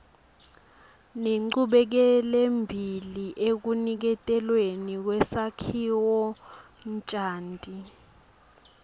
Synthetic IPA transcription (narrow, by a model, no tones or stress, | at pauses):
neŋ͡ǃuɓɛk̬ɛlɛmbʱiliʔek̬unik̬ɛtʼɛlwenik̬wɛsakʰiwɔ | nt͡ʃʼaːntʼi